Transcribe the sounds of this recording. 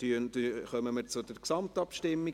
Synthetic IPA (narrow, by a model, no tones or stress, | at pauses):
yntyχœməməɾt͡sʊdəɾksɑmtɑpʃtɪmːi